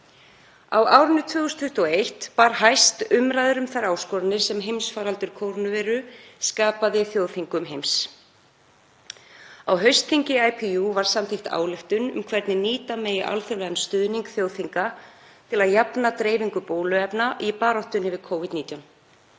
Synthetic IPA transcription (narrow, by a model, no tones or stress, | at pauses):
a̰waːwɾʏnːʏt̪ʰvʏːɣʏst̪ʰʏht̪ɔejht̪paɾ̥ɦajst̪ʏmɾajðʏɾʏmθaɾaːwskɔɾanːɪɾ̥sɛmɦejmsfaːɾalt̪ʏɾ̥kʰowɾnʏvɛːɾʏskaːpaðɪθjowθiŋkʏmɦejms | awɦœɥst̪θiŋcɪajpʰiuvaɾ̥samt̪ʰɪjxt̪a̰ːwlɪft̪ʏnʏ̰mkʰvɛɾt̪nɪniːt̪ameːjɪʔa̰lθœwlɛɣanst̪ʏðniŋkθjowθiŋka | t̪ʰɪlaðjapnat̪ɾeːjviŋkʏpoːwlʏɛpnaʔipaːɾɔht̪ʏnːɪvɪðkʰowvit̪niːt̪jawn